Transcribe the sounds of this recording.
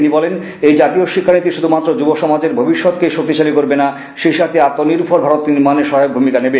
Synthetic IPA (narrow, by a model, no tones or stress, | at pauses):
inibɔlen | ejd͡ʑat̪ioʃikʰːanit̪iʃud̪ʱumat̪ːɾod͡ʑuboʃɔmad͡ʑeɾbʱobiʃːɔt̪keʃokt̪ːit͡ɕalikoɾbena | ʃeʃat̪iat̪ːoniɾpʰɔɾbʱaɾot̪iɾmaneʃɔɦajok̚bʱumikanebe